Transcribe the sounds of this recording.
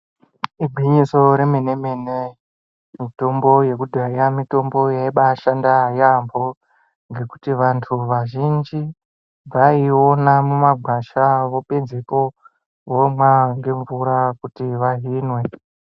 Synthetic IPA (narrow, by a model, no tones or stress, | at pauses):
iɡʱwiɲiso̞ɾe̞mene̞mene | mito̞mbo̞je̞kudʱajamito̞mbo̞jaiɓaːʃandajambo̞ | ŋɡe̞ku̥tiʋantʰuʋaʒind͡ʒi | ʋaionamumaɡʱwaʃaʋo̞ped͡zeko̞ | womwaŋɡe̞ɱvuɾakutiʋaɦinwe̞